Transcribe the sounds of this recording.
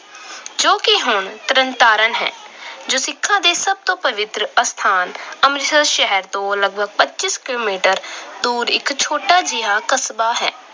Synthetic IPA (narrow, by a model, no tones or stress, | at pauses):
d͡ʒoːkɪɦʊɳt̪əɾənt̪aːɾənɦɛ̰ːd͡ʒoːsɪkʰːãːd̪eːsəb̚t̪õːpəʋɪt̪ɾəəst̪ʰaːnəmɾɪt̪əʃɛɦəɾt̪õːləɡ̚bʱəɡ̚pətːt͡ʃɪskɪloːmiːʈəɾd̪uːɾɪ̰kt͡ʃʰoːʈaːd͡ʒɪɦaːkəsbaːɦɛ̰ː